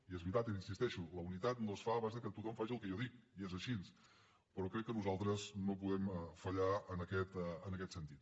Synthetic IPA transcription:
iezβɾit̪at̪iinsist̪ɛʃuləunit̪at̪noəsfaβazðəkət̪ut̪ɔmfaʒiəlˠkɛjɔðikiezəʃins | pəɾɔkɾɛkːənuzalˠt̪ɾəznopuðɛmfəʎaənəkɛt̪ənəkɛt̪sənt̪it̪

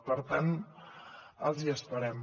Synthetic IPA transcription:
pəɾt̪an | əlˠziəspəɾɛm

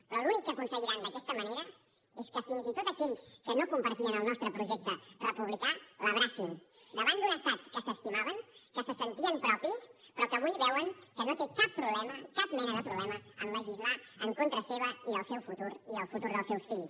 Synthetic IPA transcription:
pɾɔlunikːəkunsəɣiɾand̪əkɛst̪əməneɾə | eskəfinzit̪ot̪əkɛʎskənokumpəɾt̪iənəlˠnɔst̪ɾəpɾuʒɛk̚t̪ərəpuβ̞likaləβɾasim | d̪əβand̪unəst̪at̪kəsəst̪imaβəŋkəsəsənt̪iəmpɾɔpipɾɔkəβujβɛwəŋkənot̪ekapːɾuβlɛməkap̚mɛnəðəpɾuβlɛməəmməʒizlaəŋkont̪ɾəseβəiðəlˠsɛwfut̪uɾiəlˠfut̪uɾðəlˠsɛwsfiʎs

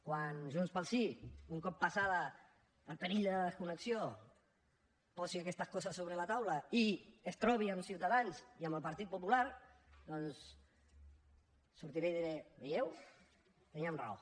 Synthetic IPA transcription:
kwanʒunspəlˠsiuŋkɔpːasaðəː | pəɾiʎd̪əəskunəksio | pɔsiakɛst̪əskɔsəsːoβɾəlat̪awləiəst̪ɾɔβiəmsiwt̪aðanziəmbəlˠpəɾt̪it̪̚pupulaɾd̪ɔns | suɾt̪iɾejðiɾɛbejɛw | t̪əniamrao̰

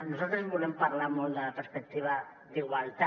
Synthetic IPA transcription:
nosalt̪ɾezβulempaɾlaɾmold̪apeɾspek̚t̪iβ̞a | d̪iɣwalt̪a

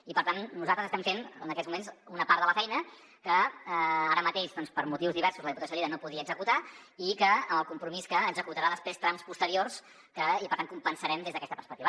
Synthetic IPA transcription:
ipəɾt̪annuzalt̪ɾəzəst̪ɛmfenənəkɛt̪zmumensunəpaɾt̪ələfɛjnə | kə | aɾəmət̪eʃðɔnspəɾmut̪iwzðiβɛɾsuzləðiput̪sjoliɾənopuðiəːɡzəkut̪aikəəməlˠkumpɾumiskəːɡzəkut̪əɾaðəspɾest̪ɾamspust̪əɾiors | kəipəɾt̪aŋkumpənsəɾɛmd̪ezðəkɛst̪əpəɾspək̚t̪iβə

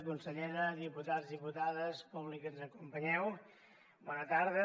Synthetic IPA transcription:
kunsəʎɛɾəðiput̪azðiput̪aðəspuβlikənzəkumpəɲɛw | bɔnət̪aɾðə

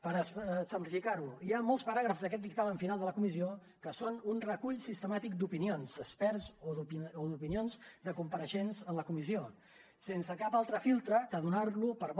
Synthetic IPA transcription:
pəɾəssəmplifikaɾuiamolˠspəɾaɣ̞ɾəfzðəkɛt̪̚d̪ik̚t̪aməɱfinalˠd̪ələkumizio | kəsonunrəkuʎsist̪əmat̪ik̚d̪upinionzəspɛɾzoðuoðupinionzd̪əkumpəɾəʃenzənləkumizio | sensəkapalˠt̪ɾəfilˠt̪ɾəkəðunaɾlupəɾβ

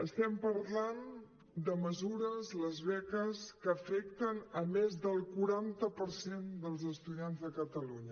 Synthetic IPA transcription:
əst̪ɛmpəɾlan | d̪əməzuɾəzləzβɛkəskəːfɛk̚t̪ənəmezðəlˠkuɾant̪əpəɾsend̪əlˠzəst̪uðianzðəkət̪əluɲə

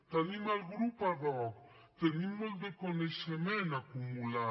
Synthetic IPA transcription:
t̪animalɡɾupaðɔk | t̪enimald̪ekoneʃemẽnakumula

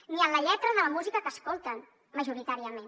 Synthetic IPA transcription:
niənləʎɛt̪ɾəðələmuzikəkəskolˠt̪ən | məʒuɾit̪aɾiəmen

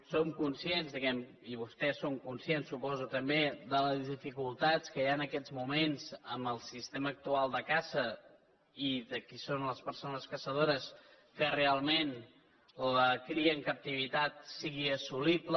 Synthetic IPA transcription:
somkunsjenzðəkɛm | iβ̞ust̪ɛsoŋkunsjensːupɔzut̪əmbeðələzððifikulˠt̪at͡skəjaənəkɛd͡zmumenzəmbəlˠsist̪eməːk̚t̪ualˠd̪əkazə | iðəkisonləspəɾsonəskəsəð̞oɾəs | kərealˠmen | ləkɾiəŋkəp̚t̪iβ̞it̪at̪̚siɣiəsuliblə

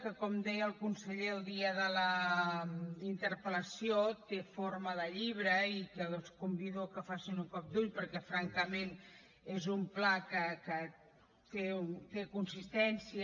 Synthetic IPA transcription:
kəkɔmd̪ɛjəːlˠkunsəʎeəlˠd̪iəðələ | int̪əɾpələsiot̪efoɾməðəʎiβ̞ɾəikəskumbiðukəfasinuŋkɔp̚d̪uʎpəɾkɛfɾaŋkəmen | ezumplakəkə | t̪et̪ekunsist̪ɛnsiə

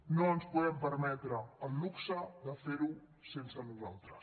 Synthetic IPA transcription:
nõnuspuðempəɾmɛt̪ɾɐɐluksɐðɐfeɾu | sẽnsɐnuzawt̪ɾɐs

